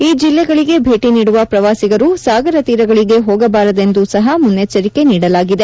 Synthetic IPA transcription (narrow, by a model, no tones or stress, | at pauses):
iːd͡ʒilːɛɡɐɭiɡe̞bʱe̞ːʈiniːɽuʋɐpɾɐʋaːsiɡɐɾusaːɡɐɾɐt̪iːɾɐɡɐɭiɡe̞ɦoːɡɐbaːɾɐd̪e̞nd̪usɐɦɐmunːet͡ʃːɐɾike̞niːɽɐlaːɡid̪e̞